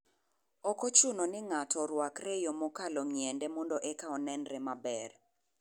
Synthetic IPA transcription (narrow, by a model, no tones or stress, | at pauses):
ɔkɔt͡ʃunɔnɪŋatʰɔɾwakrɛjɔmɔkalɔŋjɛndɛmɔndɔʔɛkaɔnɛnɾɛmabɛr